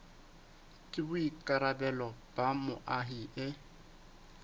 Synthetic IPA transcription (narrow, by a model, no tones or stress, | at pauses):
kʼɪbʊikʼaɾabɛlɔb̥ʼamʊʔaɦiʔɪ